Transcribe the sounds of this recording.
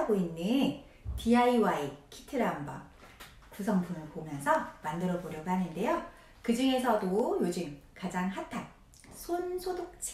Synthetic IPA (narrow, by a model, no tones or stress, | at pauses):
aɡoinːɯ | tiaiwaekʰi̥tʰɯɾamba | kusʰʌŋpʰunɯɭpomjʌnsʰʌmandɯɾʌboɾjʌɡoɦanɯnde̞jo | kɯd͡ʑɯŋe̞sʰʌtojod͡ʑɯmkad͡ʑaŋɦatʰan | sʰonsʰodok̚t͡ɕʰi̥